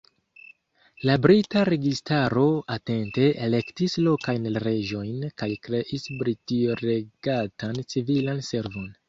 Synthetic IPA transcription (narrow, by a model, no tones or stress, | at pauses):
labɾitaɾe̞ɡistaɾo̞ate̞nte̞ʔele̞ktislo̞kajnɾe̞d͡ʒo̞jnkajkɾe̞ʔisbɾitiɾe̞ɡ̥atant͡sivilanse̞ɾvo̞n